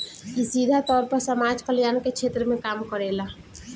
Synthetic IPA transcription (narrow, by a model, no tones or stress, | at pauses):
isid̪ʱat̪ɔːɾpəɾsəmad͡ʒkəljaːnkekt͡ʃʰet̪ɾəmẽkaːmkəɾela